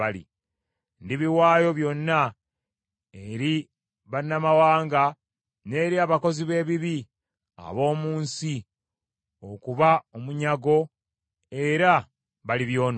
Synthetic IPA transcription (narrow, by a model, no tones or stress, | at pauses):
alḭ | ndiβiwaːjo̞βjo̞nːa | eɾi | βanːamawaːŋɡa | ne̞ːɾiaβako̞ziβe̞ːβiβi | a̰βo̞ːmuːnsi | o̞kuβaomuɲaɡo̞ | e̞ɾa | βaliβjo̞ːn